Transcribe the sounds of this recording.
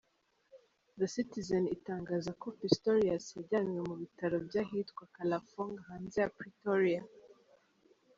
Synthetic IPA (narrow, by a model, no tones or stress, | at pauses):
ðasitizanitaːŋɡaːzako̞pistoɾiaseɟanwemuβitaɾo̞bɟahiːtkwakalafoŋɡhaːnzejapɾitoɾia